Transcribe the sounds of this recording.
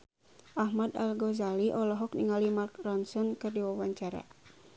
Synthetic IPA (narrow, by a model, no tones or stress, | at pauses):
ʔahmad̪alɡɔzaliʔɔlɔɦɔk̚niŋalimark̚rɔnsɔnkɨrdiwawaɲt͡ʃaɾa̰